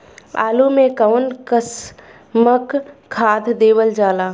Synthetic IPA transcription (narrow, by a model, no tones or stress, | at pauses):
a̰ːlumẽkəʊnkəs | məkʰːaːd̪ʱd̪eːʋəld͡ʒaːlaː